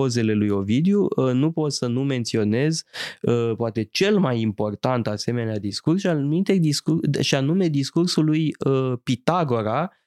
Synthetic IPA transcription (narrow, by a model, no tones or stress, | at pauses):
o̞ze̞le̞lujo̞vid̪junupo̞t̪sənume̞nt̪sio̞ne̞zəpoat̪e̞t͡ʃe̞lmajimpo̞rt̪ant̪ase̞me̞nead̪iskursʃianumint̪e̞d̪iskuʃianume̞d̪iskursulujəpit̪aɡo̞ɾa